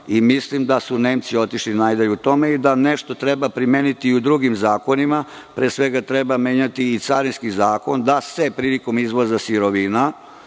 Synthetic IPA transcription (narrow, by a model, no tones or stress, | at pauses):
imislimd̪asune̞ːmt̪sio̞t̪iʃlinajd̪aʎuut̪o̞meid̪aneʃt̪o̞t̪ɾe̞bapɾimeːnit̪iud̪ɾuɡimzaːko̞nima | pɾeːsʋe̞ɡat̪ɾe̞bameːɲat̪iːt̪saɾinskizaːko̞nd̪asepɾiːliko̞mizʋo̞zasiɾo̞ʋina